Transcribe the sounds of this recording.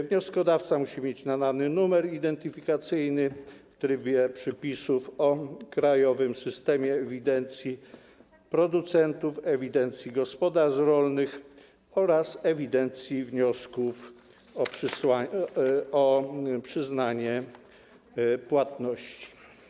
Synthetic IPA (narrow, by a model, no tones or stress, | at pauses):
vɲɔskɔd̪aft̪samuɕimʲjet͡ɕnananɘnumɛɾid̪ɛnt̪ɘfʲikat̪sɘjnɘft̪ɾɘbʲjɛpʂɛpʲisufɔkɾajɔvɘmsɘst̪ɛmʲjɛːvʲid̪ɛnt̪sʲji | pɾɔd̪ut̪sɛnt̪ufɛvʲid̪ɛnt̪sʲjiɡɔspɔd̪aɾʐɾɔlnɘx | ɔɾasɛvʲid̪ɛnt̪sʲjivɲɔskuf | ɔpʂɘswa | ɔpʂɘznaɲɛ | pwat̪nɔɕt͡ɕi̥